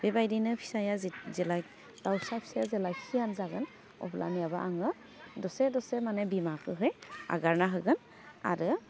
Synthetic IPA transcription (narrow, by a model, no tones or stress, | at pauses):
bɛbajdinɯpʰi̥sajazzɛlak̚ | d̥awsapʰi̥sajazɛlakhijanzaɡɯn | ɔ̰pʰlʔa̰nijabaʔaŋɔ | dɔsɛdɔsɛmanɛbimakɯɦɔja̰ɡaɹnaɦɯɡɯn | a̰ɹɯ